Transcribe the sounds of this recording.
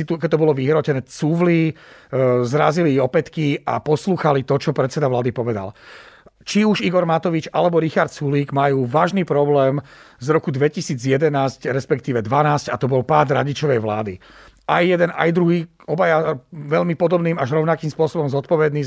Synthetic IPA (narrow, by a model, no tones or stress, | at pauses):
it̪ukɛc̚t̪ːɔbɔlɔʋiɦɾɔcɛnɛːt͡suʋli | zɾaziliɔpɛt̪kiapɔsluːxalit̪ɔt͡ʃɔpɾɛt̪t͡sɛd̪aʋlaːd̪ipɔʋɛd̪a̰l | t͡ʃiuʒiɡɔɾmat̪ɔʋit͡ʃalɛbɔɾixaɾt̪̚t͡suliːɡmajuːʋaːʒniːpɾɔblɛːmzɾɔkud̪ʋɛcisiːd͡zjɛd̪ɛnaːscɾɛspɛkt̪iːʋɛd̪ʋanaːscat̪ɔbɔlpaːd̪ɾaɟit͡ʃɔʋɛjʋla̰ːd̪i | ajːjɛd̪ɛna̰jd̪ɾuɦiː | ɔbajaʋɛʎmipɔd̪ɔbniːmaʒɾɔʊnakiːmspʊɔsɔbɔmzɔt̪̚pɔʋɛd̪niː